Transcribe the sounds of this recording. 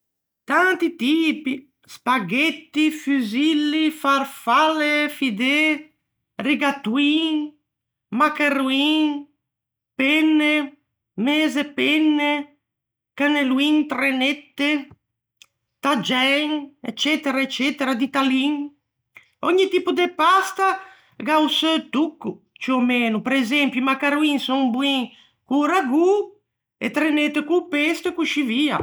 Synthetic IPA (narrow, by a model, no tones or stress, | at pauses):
t̪ant̪it̪iːpi | spaɡet̪ːifyzilːifaɾfalefid̪e | riɡat̪wiŋ | makeruiŋ | penːe | meːzepenːe | kaneluint̪ɾenet̪ːe | t̪ad͡ʒɛŋɛ̰t͡ʃːɛt̪eɾaet͡ʃːɛt̪eɾad̪it̪aliŋ | ɔɲːit̪ipud̪epast̪a | ɡawsøt̪ukːu | t͡ʃiomenupeɾezɛmpjumakaɾuiŋsɔŋbuiŋ | kuɾaɡu | ḛt̪ɾenet̪ːekupest̪ekuʃivia̰